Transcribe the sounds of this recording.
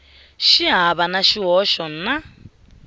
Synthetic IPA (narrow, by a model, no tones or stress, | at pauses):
ʃiɦaβanaʃiɦɔʃɔn̩na